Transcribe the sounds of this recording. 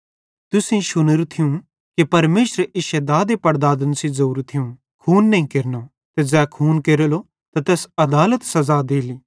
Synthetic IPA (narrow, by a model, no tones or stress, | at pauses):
t̪ʊsĩʃʊnəɾt̪ʰɪjũ | kipɐɾmeːʃɾeʔɪʃed̪aːd̪epɐɽd̪aːd̪ənsizouːɾt̪ʰɪjũ | kʰuːnːɐɦĩkeɾno | t̪ɛd͡ʒɛːkʰuːnkeɾəlo | t̪at̪ɛːsɐd̪aːlət̪sɐzad̪eːliː